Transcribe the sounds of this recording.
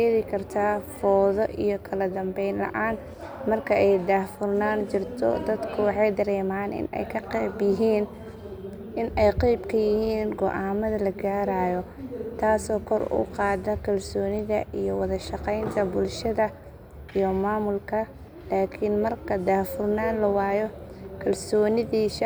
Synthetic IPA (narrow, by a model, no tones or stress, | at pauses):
eːðɪkʰɐrt̪ʰaːfɔːðɔʔijkʰɐlɐd̪ɐmbɛjnlɐ̰ʔaːn | mɐrkʰɐʔɛjd̪aːfʊrnaːnt͡ʃɪrt̪ʰɔ̰d̪ɐd̪kʰʊwɑħɑjd̪ɐɾɛːmaːnʔɪ̰nɛ̰jkʰɐqɛːbjɪɦiːn | ʔɪnɛjqɛjbkʰɐjɪhiːnɡɔʔaːmɐðɐlɐɡaːɾaːjɔ | t̪ʰaːsɔːkʰɔrʊ̰qɑːd̪ɐkʰɐlsɔːnɪðɐʔijɔwɑðɐʃɑqɛjnt̪ʰɐbʊlʃɐðɐ | ijɔmaːmʊlkʰɐ | laːkʰɪnmɐrkʰɐd̪aːfʊrnaːnlɐwɑːjɔkʰɐlsɔːnɪðiːʃ